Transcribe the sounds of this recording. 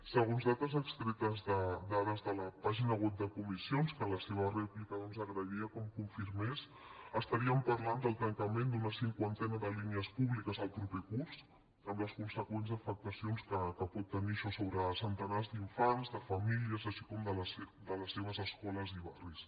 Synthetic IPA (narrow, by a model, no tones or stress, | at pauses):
səɣ̞onzðat̪əzəkst̪ɾɛt̪əzðəd̪aɾəzðələpaʒinəɣwɛp̚d̪əkumisionskələseβ̞ərɛplikəðɔnzəɣɾəiəkɔmkuɱfiɾmes | əst̪əɾiəmpɐɾland̪əlˠt̪əŋkəmend̪unəsiŋkwant̪ɛnəðəliniəspuβlikəzəlˠpɾupɛkurz | əmləskunsəkwenzðəfək̚t̪əsionskəkəpɔt̪ːəniəʃɔsoβɾəsənt̪ənazd̪iɱfanzðəfɐmiliəzəʃi̥kɔmd̪ələsd̪ələsːeβ̞əzəskɔləziβaris